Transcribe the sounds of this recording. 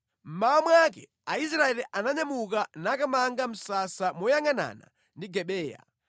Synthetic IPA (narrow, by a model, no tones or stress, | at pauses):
m̩mawamwakɛ̰ | ais̬ɾaɛliʔanaɲamukanakamaŋɡam̩sasamɔjaŋana̰na̰ | ndiɡɛɓɛːja̰